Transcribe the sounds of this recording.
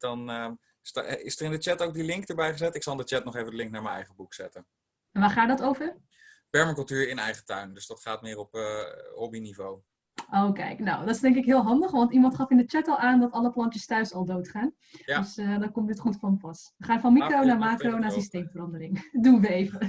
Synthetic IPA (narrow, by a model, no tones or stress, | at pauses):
dɑn | ɪsdərɪndət͡ʃɛtowk̚dilɪŋkdəɹbɛjχəzɛtɪksɔlˠɪndət͡ʃɛtnɔχejvədəlɪŋk̚naːɹmənɛ̰jχəbuksɛ̰tə | ɛnʋaːχaːdɔtowvər | pɛɹməkɵlˠtyːɹɪnɛ̰jχətœ̰ɥndɵsdɑtχaːtmɪːrɔphɔbinivow | ʔowkɛ̰jkno̰wdɔtɪsdɛŋkɪkɦɪːlˠɦɑndəχʋɑntimɑntχɑfɪndət͡ʃɛtɔlˠaːndɔtɑləplɑntjəstœɥsɔlˠdowtχaːn | sdɔkɔməətχutfɔməpɑsʋəχaːnfɔnmikrownaːmaːkrownaːsistejmfərɑndərɪŋduʋəejvə